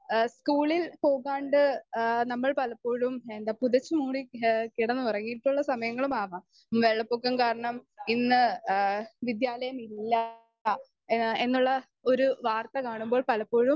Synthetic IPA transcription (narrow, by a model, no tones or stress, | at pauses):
skuːɭilpo̞ːɣaːɳɖɨnɐmːɐɭpɐlɐpːo̞ːɻumend̪aːpuðɐt͡ɕːɨmuːɽikiɽɐnːɨpɐrɐŋːijiʈːuɭːɐsɐmɐjɐŋːɐɭumaːʋam | ʋeɭːɐpːoːkːɐmkaːɾɐɳɐminːɨ | ʋid̪jaːlɐjɐmilːɐ | e̞nːuɭːɐ | o̞ɾuʋaːrt̪ɐkaːɳumboːɭpɐlɐpːo̞ːɻum